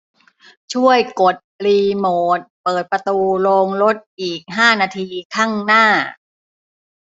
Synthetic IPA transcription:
t͡ɕʰu˥˩əjko˨˩t̪̚liː˧moː˨˩t̪̚pɤː˨˩t̪̚pɾa˧t̪uː˧loː˧ŋlo˦˥t̪̚ʔiː˨˩k̚ɦaː˥˩naː˧t̪ʰiː˧kʰa˥˩ŋnaː˥˩

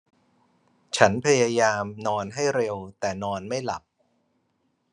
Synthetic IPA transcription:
t͡ɕʰa˦˥npʰa˧jaː˧jaː˧mnɔː˧nɦa˥˩jɾe˧wt̪ɛː˨˩nɔː˧nma˥˩jla˨˩p̚

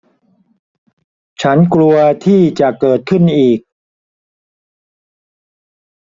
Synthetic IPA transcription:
t͡ɕʰa˦˥nklu˧ɐt̪ʰiː˥˩t͡ɕa˨˩ʔkɤː˨˩t̪̚kʰɯ˥˩nʔiː˨˩k̚

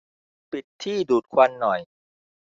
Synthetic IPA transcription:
pi˨˩t̪ʰːiː˥˩duː˨˩t̪̚kʰwa˧nːɔ˨˩j

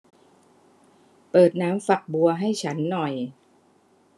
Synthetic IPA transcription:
pɤː˨˩t̪̚naː˦˥mfa˨˩k̚bu˧ɐɦa˥˩jt͡ɕʰa˦˥nːɔ˨˩j

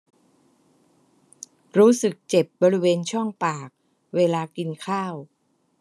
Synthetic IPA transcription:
ɾuː˦˥sɯ˨˩k̚t͡ɕe˨˩p̚bɔː˧ɾi˦˥weː˧nt͡ɕʰɔ˥˩ŋpaː˨˩k̚ | weː˧laː˧ki˧nkʰaː˥˩w

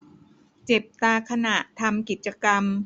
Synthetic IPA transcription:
t͡ɕe˨˩p̚t̪aː˧kʰa˧na˨˩ʔt̪ʰa˧mki˨˩t̪̚t͡ɕa˧ka˧m

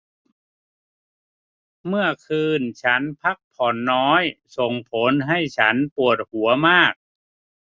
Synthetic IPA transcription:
mɯ˥˩ɐəkʰɯː˧nt͡ɕʰa˦˥npʰa˦˥˩k̚pʰɔ˨˩nːɔː˦˥jso˨˩ŋpʰo˨˦˥nɦa˥˩jt͡ɕʰa˦˥npu˨˩ət̪̚hu˩˦ɐmaː˥˩k̚

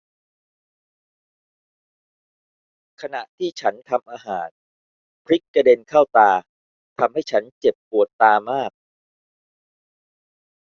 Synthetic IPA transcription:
kʰa˧na˨˩ʔt̪ʰiː˥˩t͡ɕʰa˦˥nt̪ʰa˧mʔaː˧ɦaː˩˦n | pʰɾi˦˥kːa˧de˧nkʰaː˥˩wt̪aː˧ | t̪ʰa˧mha˥˩jt͡ɕʰa˦˥nt͡ɕe˨˩pːu˨˩ət̪ːaː˧maː˥˩k̚

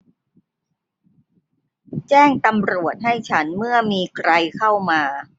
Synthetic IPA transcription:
t͡ɕɛː˥˩ŋt̪a˧mɾu˨˩ət̪̚ɦa˥˩jt͡ɕʰa˦˥nmɯ˥˩ɐəmiː˧kʰɾa˧jkʰa˥˩wmaː˧

